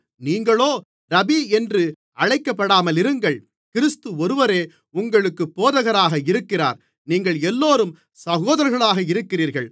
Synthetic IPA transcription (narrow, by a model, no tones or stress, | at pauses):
niːŋɡɐɭoː | ɾɐbiɛndrɯ | ɐɻɐɪkːɐpːɐɽaːmɐlɪɾɯŋɡɐɭ | kɪɾɪst̪ɯɔɾɯʋɐɾeː | ʊŋɡɐɭɯkːɯpːoːðɐɣɐɾaːɣɐɪɾɯkːɪra̰ːɾ | niːŋɡɐɭɛlːoːɾɯm | sɐɣoːðɐɾɐɾɣɐɭaːɣɐɪɾɯkːɪriːɾɣɐɭ